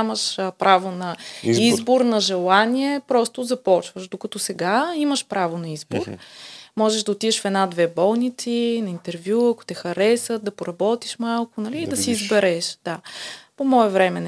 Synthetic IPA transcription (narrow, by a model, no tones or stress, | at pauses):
məʃpɾʔavonɐizboɾnɐʒɛlˠaniɛpɾɔst̪ʊzɐpɔt͡ʃvəʃd̪okɐt̪ɔsɛɡaiməʃpɾavonɐizboɾmɔʒɛʒd̪ɐot̪id̪ɛʃfɛd̪nad̪vɛbɔlˠnit̪sinɐint̪ɛɾvjuɐko̥t̪ɛxɐɾɛsət̪̚d̪ɐpoɾɐbɔt̪iʃmalˠkʊnɐliːd̪ɐsiːzbɛɾɛʃd̪̥apomɔɛvɾɛmɛn